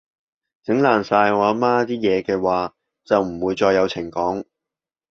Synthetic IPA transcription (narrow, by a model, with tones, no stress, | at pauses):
t͡sɪ˨˥ŋlaː˨nsaː˧jŋɔː˨˧maː˥t̪iː˥jɛː˨˧kɛː˧waː˨˩ | t͡sɐ˨wm̩˨˩wuː˨˧jt͡ʃɔː˧jːɐ˨˧wt͡sʰɪ˨˩ŋkɔː˨˥ŋ